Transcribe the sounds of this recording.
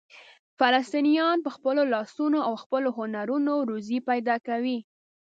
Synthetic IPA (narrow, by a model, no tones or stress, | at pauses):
falast̪inijɑnpəxpəlolɑsunoawxpəloɦʊnaɾunoɾuzipajd̪ɑkawi